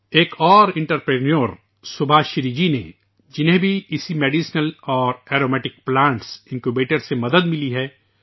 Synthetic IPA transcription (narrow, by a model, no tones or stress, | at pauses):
eːkʰɔːɾɪ̃ɳʈəɾpɾeːnoːɾ | sʊbʱaːʃɾiːd͡ʒinḛ | d͡ʒɪnɦẽbʱiɪsimeːɖiːsnəlɔːɾɛːɾoːmɛːʈɪk̚plãːɳʈsɪ̃ŋkubeːʈəɾsemɐd̪əd̪mɪliɦɛː